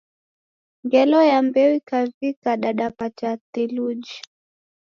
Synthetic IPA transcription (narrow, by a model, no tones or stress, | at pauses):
ŋɡɛlɔjambɛuikavikaɗaɗapat͡ʃatilud͡ʒi